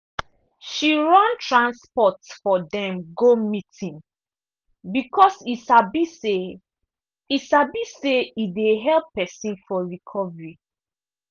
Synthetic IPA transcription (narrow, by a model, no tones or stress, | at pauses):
ʃiɹãntʰɹãnspɔtfɔdɛ̃mɡomitĩn | bikʰɔsisabise | isabiseideɦɛlpːɛsĩnfɔɹikʰɔvɹi